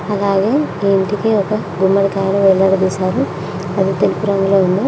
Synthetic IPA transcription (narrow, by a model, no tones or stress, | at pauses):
ɐlaːɡe̞ːɳʈikiɔkɐ | ɡumːɐɽikaːjɐɳɐmʋɛɭːɐɽɐd̪iːsaːɾu | ɐd̪it̪elupuɾɐŋɡuloːund̪i